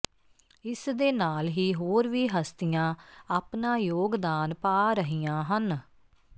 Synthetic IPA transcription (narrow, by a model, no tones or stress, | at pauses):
ɪsd̪eːnaːlɦiːɦoːɾʋiːɦəst̪ɪjãːaːpnaːjoːɡd̪aːnpaːɾəɦijãːɦən